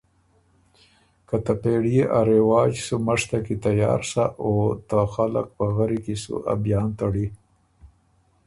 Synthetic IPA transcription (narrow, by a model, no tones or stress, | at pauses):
kat̪apeɽijeʔaɾewɑːd͡ʒsumaʂt̪akit̪ajɑ̰ːɾsaʔot̪axala̰k̚pəɣaɾikisṵʔa̰bjɑːnt̪aɽi